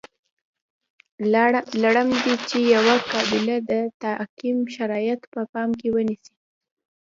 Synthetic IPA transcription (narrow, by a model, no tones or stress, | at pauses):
laɽəmd̪it͡ʃejawakɑbɪlad̪ət̪akimʃaɾɑjat̪pəpɑmk̬ewənisi